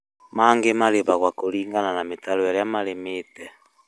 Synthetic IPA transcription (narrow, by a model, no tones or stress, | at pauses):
maŋɡemaleβaɣwakoliŋɡananametaloaljamalemetɛ